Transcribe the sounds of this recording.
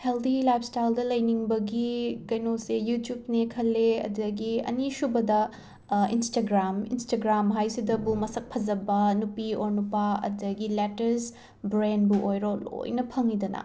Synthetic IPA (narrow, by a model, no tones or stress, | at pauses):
held̪ilajp̚ʰstajldɐlɐjniŋbɐɡikɐjnosejutjub̚nekʰɐlːeɐ̰dɐɡiɐ̰nisubɐdɐ | instaɡɾamḭnstaɡɾamɦajsidɐbumɐsɐk̚pʰɐzɐbɐnupioɾnupɐɐ̰dɐɡiletɐɾs | bɾenbuʔojɾolo̰jnɐpʰɐŋidɐnɐ̰